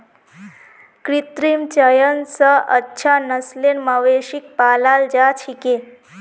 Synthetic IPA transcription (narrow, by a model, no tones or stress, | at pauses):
kɾit̪ɾimt͡ɕəjənsəə̰tːɕʰanəslenməʋeʃik̚palald͡ʒat͡ʃʰike